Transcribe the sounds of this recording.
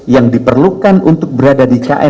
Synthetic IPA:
jaŋdipərlukanunt̪ʊk̚bəɾadadika̰ʔɛ

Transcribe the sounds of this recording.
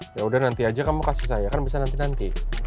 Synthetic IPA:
jaudahnant̪iad͡ʒakamukasisajakanbisanant̪inant̪i

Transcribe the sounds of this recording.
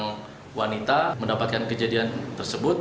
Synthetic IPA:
ŋ | wanit̪aməndapat̪̚kankəd͡ʒadiant̪ərsəbʊt̪̚

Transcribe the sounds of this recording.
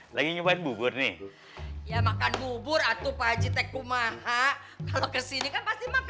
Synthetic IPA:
laɡiɲupaɪnbubʊrnɪh | jamakanbubʊrat̪upad͡ʒit̪ekːumaha | kalokəsinikanpast̪imak

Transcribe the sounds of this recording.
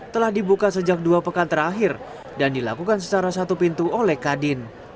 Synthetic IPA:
t̪əlahdibukasəd͡ʒak̚duapəkant̪əɾaɦɪr | dandila̰kukansə̥t͡ʃaɾasat̪upint̪uolɛhkadɪn

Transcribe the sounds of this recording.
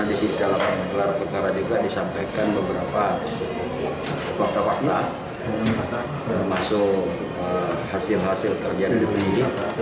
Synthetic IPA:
adisiidalapanɡəlarpərkaɾad͡ʒuɡadisampajkanbəbəɾapa | fak̚t̪afak̚t̪a | t̪ərmasʊk | əhasɪlɦasɪlkərd͡ʒadidəbi

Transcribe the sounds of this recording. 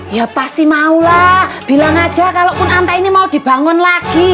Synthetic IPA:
japast̪imaulab̥i̤laŋad̥ʒ̥a̤kalopʊnant̪ainimaud̪̥i̤b̥a̤ŋɔnlaɡ̥i

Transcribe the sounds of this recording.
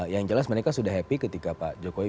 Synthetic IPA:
jaŋd͡ʒəlasməɾekasudahɦɛpikət̪ikapad͡ʒokowi

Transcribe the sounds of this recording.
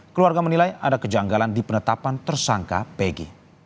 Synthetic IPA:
kəluarɡamənilajadakəd͡ʒaŋɡalandipənət̪apant̪ərsaŋka̰peɡḭ

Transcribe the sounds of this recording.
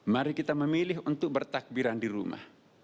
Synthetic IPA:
maɾikit̪aməmilɪɦunt̪ʊk̚bərt̪ak̚biɾandiɾṵma̰h

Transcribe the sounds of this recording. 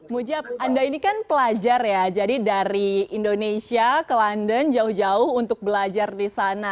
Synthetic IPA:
mud͡ʒap̚andainikanpəlad͡ʒarjad͡ʒadidaɾiindonesiakəlandənd͡ʒaʊhd͡ʒaʊhunt̪ʊk̚bəlad͡ʒardisana

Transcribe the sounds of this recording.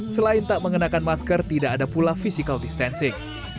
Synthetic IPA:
səlaɪnt̪aʔməŋənakanmaskərt̪idaʔadapulafisikaldist̪ɛnsɪŋ

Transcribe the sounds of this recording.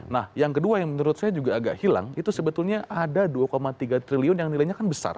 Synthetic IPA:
nahjaŋkəduajaŋmənuɾʊt̪̚sajad͡ʒuɡaːɡaʔhila̰ŋit̪usəbət̪ʊlɲaʔadaduakomat̪iɡat̪ɾiliʊnjaŋnilajɲakanbəsa̰r

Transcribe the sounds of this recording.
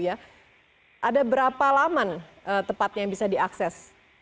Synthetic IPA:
ja | ʔadabəɾapalamanʔət̪əpat̪̚jaŋbisadiaksɛs

